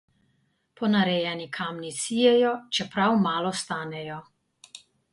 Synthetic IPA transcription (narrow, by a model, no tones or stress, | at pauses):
pɔnaɾɛjɛnikʰaːmnisijɛjɔt͡ʃɛpɾawmaːlɔst̪aːnɛjɔ